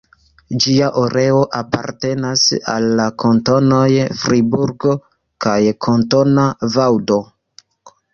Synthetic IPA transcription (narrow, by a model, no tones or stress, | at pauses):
d͡ʒiaʔoɾe̞o̞ʔapa̰ɾte̞nasa̰lːakʰo̞nto̞no̞jfɾibuɾɡo̞ | kajkʰo̞nto̞navawdo̞